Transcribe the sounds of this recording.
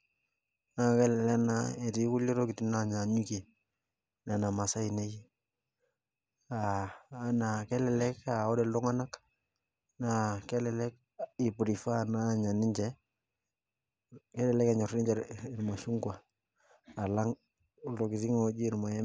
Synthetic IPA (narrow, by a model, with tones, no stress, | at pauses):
na˦˨kɛ˦lɛ˨lɛ˦naɛ˨ti˨˦ku˦le˦ɾo˦ki˨ti˨na˦ɲa˨ɲu˦ke˨ | na˨na˨ma˨sa˦i˨ne˦ji˦ | aː˦ | na˨kɛ˦lɛ˨lɛ˦ka˨ɔ˦dɛ˨ldɔ˦ŋa˦na˦k | na˨kɛ˦lɛ˨lɛ˦k̚ | i˨pu˨ɾi˨fa˦na˦ɲa˨ni˦ɲd͡ʒɛ˦ | kɛ˦lɛ˨lɛ˦ka˨ɲɔ˨ɾi˦ɲd͡ʒɛ˨i˨ɾma˨ʃu˦ŋɡwa˨ | a˨la˦ŋ | lo˨ki˨ti˦ŋo˦d͡ʒi˦ɾma˨ɛ˦